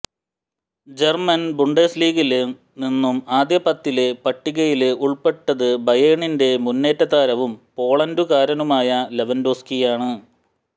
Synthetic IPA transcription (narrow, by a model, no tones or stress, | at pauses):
d͡ʑe̞rmɐnbuɳɖesliːɣil | ninːumaːd̪jɐpːɐt̪ːilepɐʈːiɣɐjiluɭpe̞ʈːɐðɨbɐjeːɳinde̞munːe̞ːtːɐt̪aːɾɐʋumpo̞ːɭɐndukaːɾɐnumaːjɐle̞ʋɐndoːskijaːɳɨ